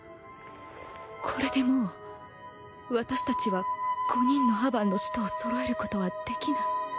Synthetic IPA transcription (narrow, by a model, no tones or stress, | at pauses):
kʰo̞ɾe̞d̪e̞mo | βat̪aɕi̥t̪at͡ɕiβaɡ̥o̞ɲ̟ĩnːo̞ɦabãnːo̞ɕi̥t̪oːso̞ɾoe̞ɾɯ̟ko̞t̪o̞βad̪̥e̞kʲinai